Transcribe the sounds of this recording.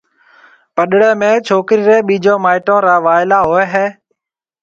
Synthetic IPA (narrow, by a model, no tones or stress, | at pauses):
pəɗɽeːmẽːt͡ʃʰoːkɾiːɾeːɓiːd͡ʒoːmaːɪʈõːɾaːʋaːɪlaːɦoːeɦeː